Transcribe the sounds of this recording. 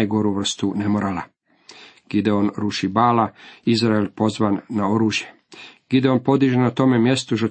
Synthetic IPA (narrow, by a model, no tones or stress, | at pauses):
jɡo̞ɾuʋr̩st̪unemoɾala | ɡ̥id̪eonɾuʃibaːlaizɾaelpo̞zʋanːao̞ɾuːʒje̞ | ɡ̥id̪eo̞npo̞d̪iʒenat̪o̞me̞mje̞st̪uʒo